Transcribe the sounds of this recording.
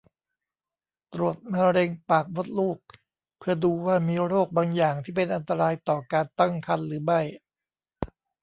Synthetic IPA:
t̪ɾu˨˩ət̪̚maː˧ɾe˧ŋpaː˨˩k̚bo˦˥t̪̚luː˥˩k̚ | pʰɯ˥˩ɐduː˧waː˥˩miː˧ɾoː˥˩k̚baː˧ŋjaː˨˩ŋt̪ʰiː˥˩pe˧nʔa˧nt̪a˧ɾaː˧jt̪ɔː˨˩kaː˧nt̪a˥˩ŋkʰa˧nɾɯː˩˦ma˥˩j

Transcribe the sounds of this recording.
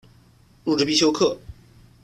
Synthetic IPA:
ɻu˥˩ʈ͡ʂɻ̩˥˧pi˥˩ɕjo˥ʊkʰɤ˥˩

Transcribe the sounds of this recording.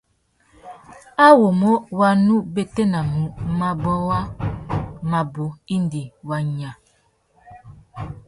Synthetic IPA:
a˦wo˨mo˦wa˦nu˦be˦te˦na˨mu˨˦ma˦bɔ˦wa˦ | ma˨bo˨˦i˦ndi˨wa˨ɲa˨

